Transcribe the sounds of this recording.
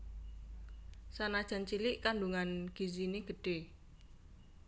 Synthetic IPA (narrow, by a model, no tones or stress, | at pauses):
sanad̥ʒ̥a̤nt͡ʃilɪʔkaɳɖuŋanɡ̥izineɡ̥ə̤ɖ̥e̤